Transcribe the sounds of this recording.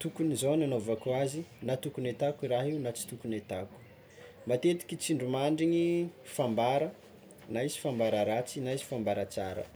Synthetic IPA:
t̪ukunizonanovakuazinat̪ukunet̪akiraɦiunat͡si̥t̪ukunet̪aku̥ | mat̪et̪i̥kʲit͡siɳɖ͡ʐumaɳɖ͡ʐiɲifambaɾə | naisi̥fambaɾəɾat͡sinaisi̥fambaɾat͡sa̰ɾə̰

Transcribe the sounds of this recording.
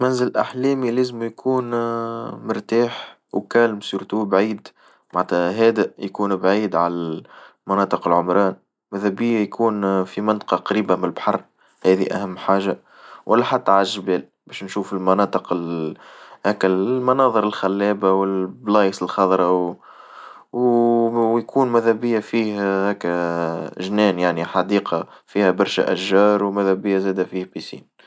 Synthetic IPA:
mænzɪlʔa̰ħlɛːmileːzɪmjkʰuːn | mʊɾt̪aːħ | wkæːlmsuːɾt̪ubʕiːd̪ | maʕɾt̪æɦɛːd̪æjkuːnbʕiːd̪ʕalæ | mɑnɑːt̪ˤɨqɪlʕʊmɾˤɑːn | mæðæbiːjkʰuːnfimɪnt̪ˤqɑqɑɾiːbamɪlbħɑrˤ | hɛːðiʔæ̰hæmːħaːʒa | wʔælːæħat̪ːæʕalʒɪbɛːl | bɛːʃnʃuːfɪlmɑnɑːt̪ˤəqɪl | hæːkːæmɑnɑːðˤəɾɪlxælːɛːbawɪlblɑːjəsɪlxɑðˤɾˤɑw | w | jkʰuːnmæðæbɪjːafiːhhæːkː | ʒnɛːnjaʕniħɑd̪iːqɑfiːhæbɑɾˤʃæ̰ʔæʒːɑːɾˤwmæðæbɪjːæzæːd̪æfiːhbisḭːn

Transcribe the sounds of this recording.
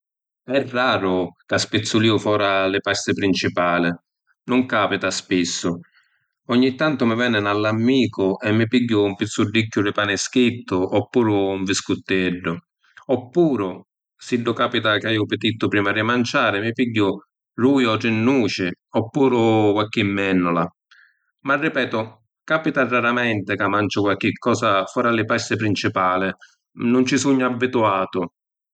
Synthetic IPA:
ɛrːaːɾʊkaspɪt̪sːʊliːʊfɔːɾalɪpɛst̪ɪpɾint͡ʃipaːlɪ | nʊŋkaːpit̪aspisːʊ | ɔɲːit̪ːant̪ʊmɪvɛnːɪnalːamːiːkʊʔɛmːɪpiɟːʊumpit̪sːʊɖːikːʊrɪpaːnɪskit̪ːʊʔɔpːuːɾʊuɱvɪskʊt̪ːɛɖːʊ | ɔpːuːɾʊ | siɖːʊkaːpit̪akajːʊpɪt̪it̪ːʊpɾiːmaɾɪmant͡ʃaːɾɪmɪpiɟːʊ | ruːjɔɾɪnːuːt͡ʃɪɔpːuːɾʊkwalkːɪmːɛnːʊla | marːɪpɛːt̪ʊ | kaːpit̪arːaɾamɛnt̪ɪkamːant͡ʃʊkwalk̟ːɪkːɔːsafɔːɾalɪpɛst̪ɪpɾint͡ʃipaːlɪ | nʊnt͡ʃɪsuɲːʊabːit̪uaːt̪ʊ

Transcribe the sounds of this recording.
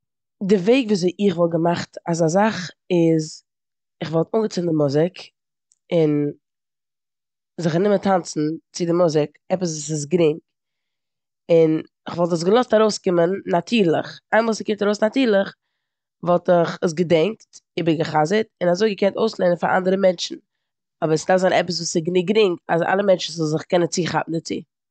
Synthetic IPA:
dɪveɪkvuːs̬eɪʔɪχvɔlˠɡəmaχtazazaχ | ɪz | ɪχvɔlˠtʊŋɡət͡sɪndɪmʊzɪk | ɪn | zɪχnɪmətʰant͡sn̩t͡sɪdɪmʊzɪk | ɛpəsvuːsɪs̬ɡɾɪŋk | ɪn | ɪχvɔlˠt̬əs̬ɡəlˠɔstaɾoʊskɪmənːatʰiːɾlˠɪχaɪmːskɪntaɾoʊsnatiːɾlˠəχ | vɔlˠtɪχəs̬ɡədɛŋktɪbəɾɡəχazətɪnazoɪɡəkʰɛntoʊslˠenənfa̰ɾʔa̰ndəɾəmɛnt͡ʃn̩ | ɔbəɾsɪdafzaɪnɛpəs̬vuːsɪɡnɪɡɾɪŋɡa̰za̰lˠəmɛnt͡ʃn̩zɔlzɪχkɛnənt͡siːχa̰pn̩dɪt͡sḭː

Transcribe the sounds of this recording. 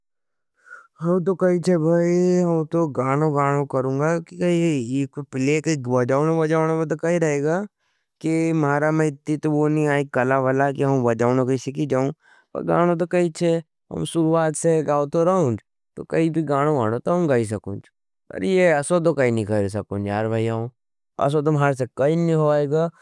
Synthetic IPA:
ɦɐmt̪̬okɐɦit͡ʃʰebʱaːiɦɐmt̪oɡaːɽ̃oɡaːɽ̃okɐɾũːŋɡakikɐiːkpɪlekeʋɐd͡ʒaːʊñobɐd͡ʒaːɽ̃omẽt̪̬okɐɦiɾɐɦeːɡaː | kimaːɾamẽɪt̪ːit̪oʋonĩaːikɐlaʋɐlakiɦɐmʋɐd͡ʒaːnokɐisekid͡ʒaːũː | pɐ̰ɾɡa̰ːɽ̃õt̪̬okɐit͡ʃʰe | ɦɐ̰mʃʊɾuaːt̪seɡaːot̪oɾɐɦũːd͡ʒ | t̪o̰kɐibʱiɡaːɽ̃õɡaːɽ̃ot̪oɦɐ̃mɡais̬ɐkṵ̃nd͡ʒ | pɐ̰ɾjeɐsot̪̬okɐinĩkɐɾis̬ɐkũːnd͡ʒjaːɾbʱaːjãõ | ɐ̰s̬ot̪omɦaːɾs̬ekɐinĩɦoaeɡaː

